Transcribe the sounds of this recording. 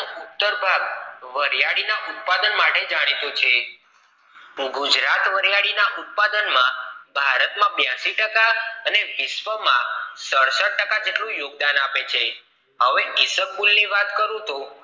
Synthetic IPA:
ut̪ːəɾbʱaɡʋəɾjaɽinaʔut̪̚pad̪ənmaʈed͡ʒaɽ̃it̪ot͡ʃʰe | ɡud͡ʒɾat̪ʋəɾjaɽinaʔut̪̚pad̪ənmãbʱaɾət̪mãbjãʃiʈəkaəneʋɪsʋəmã̰səɽsəʈ̚ʈəkad͡ʒeʈlũjoɡ̚d̪anapet͡ʃʰe | ɦəʋeɡɪsək̚bulniʋat̪kəɾũt̪u

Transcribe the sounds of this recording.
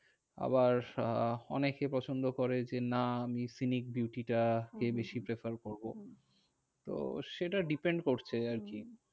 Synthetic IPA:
a̰baɾɔnekepɾɔt͡ɕʰond̪okoɾed͡ʑenaamisinik̚biwʈiʈakebeʃipɾefaɾkoɾbo | t̪o̰ʃeʈaɖipeɳɖkoɾt͡ɕʰeaɾki

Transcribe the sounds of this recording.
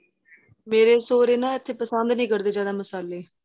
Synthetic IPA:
meːɾeːsoːɾeːnãːɪt̪ʰːeːpəsənd̪nĩːkəɾd̪eːd͡ʒjaːd̪aːməsaːleː

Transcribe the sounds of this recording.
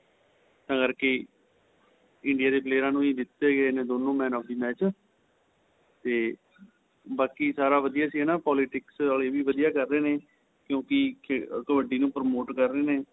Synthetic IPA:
t̪ãːkəɾkeː | ɪɳɖijaːd̪eːpleːɾãːnũːiːd̪ɪt̪ːeːɡeːnẽːd̪oːnõːmɛ̃ːnɔːp̚d̪inaːt͡ʃ | t̪eː | baːkiːsaːɾaːʋəd̪ijaːsiːɦɛːnaːpɔːlɪʈɪksaːleːʋiːʋəd̪ijaːkəɾːeːneː | kjõːkɪkəʋəɖiːnũːpəɾmoːʈkəɾːeːneː

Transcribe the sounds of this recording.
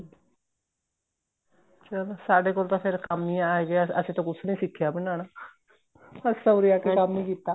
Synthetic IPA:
t͡ʃəlːsaːɖeːkoːlt̪ãːpʰɪɾkəmnĩːaːeɡeəsĩːt̪õːkʊsʰnĩːsɪkʰːjaːbəɳaːɽaː | pəɾsəːɾiaːkekəmnĩːkiːt̪ːaː

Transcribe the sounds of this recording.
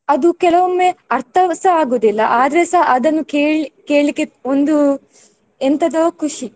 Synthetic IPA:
ɐd̪ukɛlɐʋomːeɐɾt̪ʰɐʋɐsɐaːɡoːd̪ilːɐʔaːd̪ɐɾesɐɦʔɐd̪ɐnːukeːɭikeːɭikːeond̪u | ent̪ɐd̪ɐkʰuʂi

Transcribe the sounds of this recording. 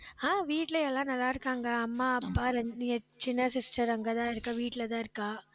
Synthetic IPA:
aːʋiːʈːɪlɐɛlːãːnɐlːaːɪɾɯkːaːŋɡɐɐmːaːɐpːaːɾɐɲɪɐt͡ʃɪnːɐsɪsʈɐɾɐŋɡɐt̪ãːɪɾɯkːãːʋiːʈːɪlɐt̪̬ãːɪɾɯkːãː

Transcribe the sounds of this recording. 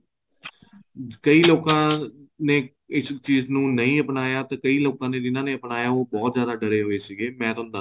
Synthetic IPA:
kəiːloːkãːneː | ɪst͡ʃiːznũːnəĩːəpnaːjaːt̪ãːkəiːloːkãːnẽːd̪ɪnãːneːəpnaːjaːoːbɔːt̪zjaːd̪aːɖəɾeːɦoːeːsiːɡeːmɛ̃ːt̪ʊnd̪a

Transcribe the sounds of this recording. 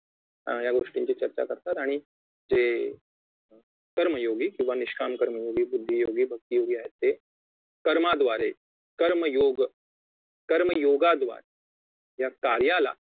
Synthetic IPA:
jaɡoʂʈiɲt͡ɕiːt͡ɕəɾt͡ɕa̰kəɾt̪at̪aɽ̃i | d͡ze | kəɾməjoɡiːkĩw̃ʋaniʃkʰamkəɾməjoɡiːbud̪ʱːijoɡiːbʱək̚t̪ijoɡiːaɦet̪ːe | kəɾmad̪ʋaɾe | kəɾməjoɡ | kəɾməjoɡad̪ʋa̰ɾe | jakaɾjala̰

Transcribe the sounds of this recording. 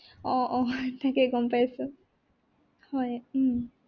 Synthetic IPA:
ɔʔɔtakɛɡɔmpajsʊ | hɔj

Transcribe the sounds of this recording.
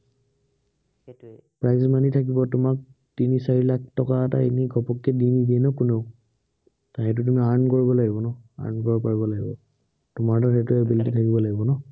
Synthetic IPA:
pɹajzmanitʰak̬ibɔtʊmak̚ | tinisaɹilak̚ʰtɔkaːta̰iniɡʱɔpɔkːɛdinidiɛnɔkuneʊ | taɦɛ̃t̬ʊt̬umiaɹnkoɹibɔlaɡibɔnɔa̰ɹnkɔɹɔpaɹibɔlaɡibɔ | tʊmaɹdɔɹɛtuɛbiltitʰakibɔlaɡibɔnɔ

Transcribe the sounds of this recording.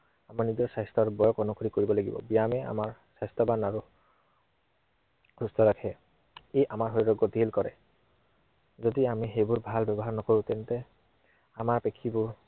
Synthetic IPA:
amaɹnizɔsajstɔɹbɔjɔkɔnukʰoɹikoɹibɔlaɡibɔ̰bijamɛa̰maɹsajstɔbanaɹu | kʰustɔɹakʰɛ | eʔamaɹɦojɹɔɡɔd̪ʱilkɔɹɛ̰ | zodiamiɦejbuɹbʱalbɛbɔɦaɹnɔkoɹʊ̃tɛntɛ | amaɹpekʰːibʊɹ

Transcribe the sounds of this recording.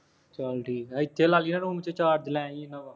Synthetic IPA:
t͡ʃəlɖiːɪt̪ʰːeːlaːliːnãːnũːmt͡ʃet͡ʃaːɾd̪ɪlɛ̃ːĩnãːbaː

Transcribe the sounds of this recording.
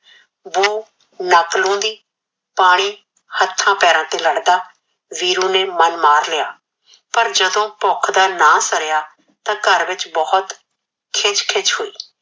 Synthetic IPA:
ʋoː | nəklõːd̪iː | paːɽ̃iː | hət̪ʰːãːpɛːɾãːt̪eːləɽd̪aː | ʋiːɾũːneːmənmaːɾlɪjaː | pəɾd͡ʒəd̪õːpɔːkʰd̪aːnaːsəɾjaː | t̪ãːkəɾʋɪt͡ʃbɔːʊt̪ | kʰɪt͡ʃkʰɪt͡ʃɦoːiː

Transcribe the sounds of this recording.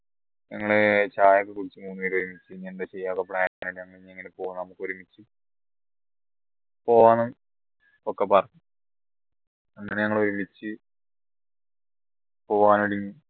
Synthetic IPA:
ɲɐŋːɐɭet͡ɕaːjɐkːɨkuɽit͡ɕːɨmuːnːiːʈoɾumit͡ɕːɨɲendet͡ɕe̞jːaːkːɐpɭaːninɲɐŋːɐɭiɲːeŋːɐnepo̞ːunːnɐmukːoɾumit͡ɕːɨ | po̞ːʋaːnum | okːepɐrɐɲːu | ɐnːaneɲɐŋːɐɭeoɾumit͡ɕːɨ | poːʋaːnoɽiɲːu

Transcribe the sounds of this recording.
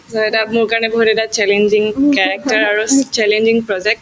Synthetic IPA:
saɛtamʊɹkaɹɔnɛbɔɦutɛtat͡ʃɛlend͡ʒiŋkaɹak̚taɹaɹust͡ʃɛlend͡ʒiŋpɹɔzɛk̚t

